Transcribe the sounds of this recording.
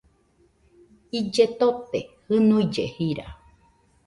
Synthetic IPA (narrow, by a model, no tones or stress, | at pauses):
id͡ʒet̪ot̪ehɨnũjd͡ʒehiɾa̰